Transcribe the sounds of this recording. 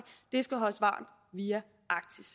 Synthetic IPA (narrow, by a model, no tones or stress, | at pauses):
d̥e̝sɡ̥æɦɒ̽ləsʋɑ̰̈ːn̩ˠ | ʋiːæ | ʔɑ̈ɡ̥̚t͡sʰis